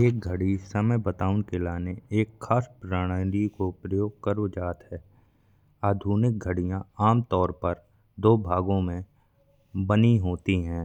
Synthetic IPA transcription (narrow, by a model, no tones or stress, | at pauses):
eːk̚ɡʱəɽisəməjbət̪aːʊnkelaːneeːkʰːaːspɾaːɽ̃əlikopɾəjoːɡ̚kəɾod͡ʒaːt̪ɦɛː | aːd̪ʱuːnɪk̚ɡʱəɽijãaːmt̪ɔːɾpɐɾ | d̪oːbʱaːɡõmẽ | bəniɦoːt̪iɦɛ̃ː